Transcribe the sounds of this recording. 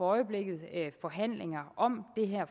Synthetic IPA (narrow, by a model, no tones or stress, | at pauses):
ɒɒɪəb̥le̝ɡ̥ð̩ˠfɒ̽ɦæn̰leŋɐʔɒ̽md̥e̝ɦæɐ̰